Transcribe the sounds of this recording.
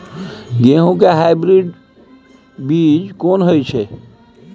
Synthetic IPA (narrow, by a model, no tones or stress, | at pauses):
ɡeɦũkeɦajbɾiɖ | bid͡ʒkonɦojt͡ʃʰɛ